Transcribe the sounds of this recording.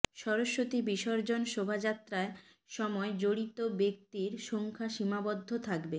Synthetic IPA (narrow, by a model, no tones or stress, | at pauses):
ʃɔɾoʃːot̪ibiʃɔɾd͡ʑonʃobʱad͡ʑat̪ːɾae | ʃɔmɔed͡ʑoɽit̪obek̚t̪iɾʃoŋkʰaʃimabod̪ʱːot̪ʰakbe